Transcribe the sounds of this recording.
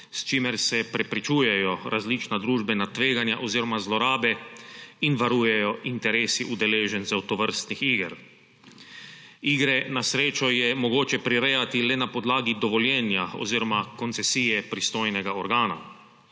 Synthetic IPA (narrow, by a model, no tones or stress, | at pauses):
st͡ʃiːmɛɾsɛpɾɛpɾit͡ʃuːjɛjɔɾʔazlit͡ʃnad̪ɾuːʒbɛnat̪ʋeːɡanjaʔoziːɾɔmazlɔɾaːbɛinʋaɾuːjɛjɔint̪ɛɾeːsiʔud̪ɛleːʒɛnzawt̪ɔʋəɾst̪nixiːɡɾ | iːɡɾɛnasɾeːt͡ʃɔjɛmɔɡoːt͡ʃɛpɾiɾɛjat̪ilɛnapɔd̪laːɡid̪ɔʋɔljɛnjao̰ziːɾɔmakɔnt̪sɛsiːjɛpɾist̪oːjnɛɡaɔɾɡaːna̰